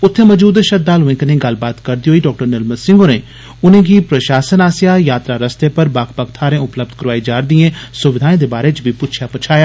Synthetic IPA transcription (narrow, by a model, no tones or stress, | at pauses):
ʊt̪ʰːẽːməd͡ʒuːd̪eʃəd̪̚aːlɦʊẽːkənẽːɡəlbaːt̪kəɾd̪iːoːiːɖɔːk̚ʈəɾnɪlmət̪sɪ̃ŋɡoːɾẽː | ʊnẽːɡiːpɾəʃaːsənaːsjaːjaːt̪ɾaːɾəst̪eːpəɾbaːkpak̚t̪ʰaːɾẽːʊpləb̚d̪kəɾʋaːiːd͡ʒaːɾd̪iẽːsʊʋɪd̪ʱaːẽːd̪eːbaːɾeːt͡ʃbʱiːpʊtt͡ʃʰjaːpət͡ʃʰaːjaː